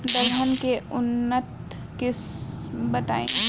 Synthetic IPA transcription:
d̪əɡɦənkeʊnːət̪̚ | kɪsbɐt̪aːḛ̃

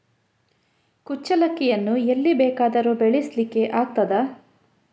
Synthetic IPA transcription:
kut͡ʃːɐlɐkːijɐnːuelːibɛːkaːd̪ɐɾubeɭislikːe̞ʔaːɡ̚t̪ɐd̪ɐ

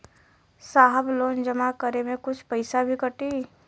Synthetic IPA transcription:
saːɦəbloːnd͡ʒɐmakəɾemẽkʊt͡ʃʰpɐɪsabʱikəʈiː

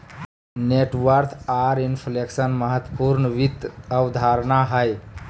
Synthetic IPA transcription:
neʈʋəɾt̪ʰaɾinpʰleksənməɦət̪wəpuɾnəʋit̪əwd̪ʱaɾnaɦəj

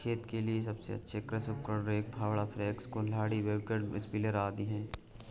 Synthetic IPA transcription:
t͡ʃʰeːt̪kelies̬ɐbsḛɐ̰tːʃʰekɾɐsʊpkəɽɾeːk̚bʱaːwɭapʰɾeːkskolaːɽiʋeːbkəɖmɪ̰sbɪleɾaːd̪iɦɛ̃ː

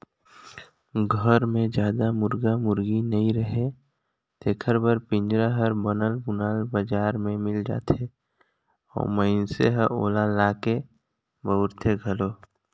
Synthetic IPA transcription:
ɡʱəɾmẽd͡ʒjaːd̪amʊɾɡamʊɾɡinəĩɾəɦe | t̪eːkʰəɾbəɾpɪ̃ɲd͡ʒɾaɦəɾbənəlbʊnaːlbəd͡ʒaːɾmẽmɪld͡ʒa̰ːt̪ʰe | ɔ̰ːməɪnseɦəʔoːlalaːke | bəʊɾt̪ʰeɡʱəloː

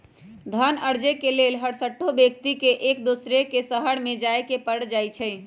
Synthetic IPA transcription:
d̪ʱənəɾd͡ʒekelelɦəɽsəʈʰːobjek̚t̪ikeʔekd̪usɾekesəɦəɽmed͡ʒaekepəɽd͡ʒajt͡ʃʰəɪ

